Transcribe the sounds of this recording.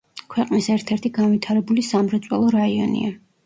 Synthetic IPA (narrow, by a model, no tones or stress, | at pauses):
kʰwɛqʼnisɛɾt̪ʰɛɾt̪ʰiɡanvit̪ʰaɾɛbulisamɾɛt̪sʼwɛlˠɔɾaiɔ̰nḭa